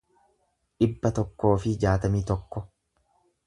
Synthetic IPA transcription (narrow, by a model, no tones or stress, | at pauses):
ᶑɪbːɐt̪ɔkːo̞ːfɪd͡ʒaːt̪ɐmiːt̪ɔkːɔ